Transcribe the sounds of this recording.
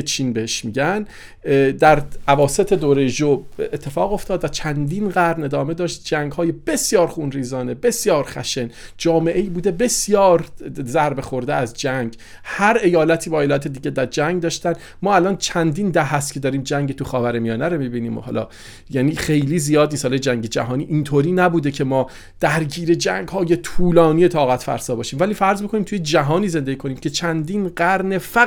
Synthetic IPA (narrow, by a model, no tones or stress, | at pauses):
et͡ʃʰiːnbeheʃmiɟæn | d̪æɾævɒːse̞t̪ʰe̞d̪oːɾejeʒobet̪ʰːe̞fɒːɣo̞ft̪ɒːd̪væt͡ʃʰænd̪iːnɢæɾne̞d̪ɒːme̞d̪ɒːʃt̪̚d͡ʒæŋɡhɒːje̞b̥e̞sjɒːɾxunɾiːzɒːne̞be̞sjɒːɾxæ̰ʃend͡ʒɒːme̞ʔeiːbuːd̪e̞be̞sjɒːɾzæɾbe̞xo̞ɾd̪eæzd͡ʒæŋɡ | hæɾe̞jɒːlæt̪ʰiːbɒːelæt̪ʰed̪iːɟed̪æɾd͡ʒæŋɡd̪ɒːʃt̪æn | mɒːælɒːnt͡ʃʰænd̪ind̪æhæs̬t̪̚cʰe̞d̪ɒːɾiːmd͡ʒæŋɟet̪ʰuxɒːvæɾemijɒːnæɾomibiːniːmo̰hɒ̰lɒ̰ | jæːniːxe̞jliːzijɒːd̪̚niːst̪hɒlɒjed͡ʒæŋɟe̞d͡ʒæ̰ɦɒːniːʔint̪ʰoːɾiːnæbuːd̪ecʰe̞mɒː | d̪̥æɾɟiːɾe̞d͡ʒæŋɡɦɒːje̞t̪ʰuːlɒːnije̞t̪ʰɒːɣæt̪fæ̰ɾsɒːbɒːʃiːmvæliːfæɾzmikʰo̞niːmt̪ʰujed͡ʒæɦɒːniːze̞nd̪e̞ɟiːkʰo̞niːmcʲʰe̞t͡ʃʰænd̪iːnɢæɾne̞fæ